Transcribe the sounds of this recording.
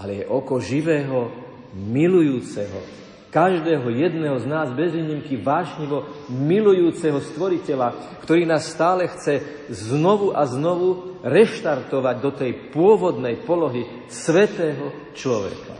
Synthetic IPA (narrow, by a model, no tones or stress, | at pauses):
ʔalɛjɛʔɔkɔʒiʋɛːɦɔ | milujuːt͡sɛɦɔ̰ | kaʒd̪ɛːɦɔjɛd̪nɛːɦɔznaːzbɛzʋiːɲimkiʋaːʒɲiʋɔmilujuːt͡sɛɦɔst̪ʋɔɾicɛlakt̪ɔɾiːnaːsːt̪aːlɛxt͡sɛ | znɔʋuʔaznɔʋuɾɛʃt̪aɾt̪ɔʋaɟd̪ɔt̪ɛjpʊɔʋɔd̪nɛjpɔlɔɦi | sʋɛt̪ɛːɦɔ | t͡ʃlɔʋɛ̰ka̰